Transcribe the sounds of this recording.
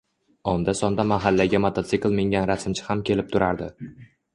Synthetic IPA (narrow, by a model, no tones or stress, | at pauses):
ɒnd̪asɒnd̪amaɦalːaɡʲamot̪ʰat̪sɪklˠmeŋʲanɾasɪmt͡ʃʰɪ̥hamkʲʰe̞lɪp̚t̪ʰʊɾaɾd̪ɪ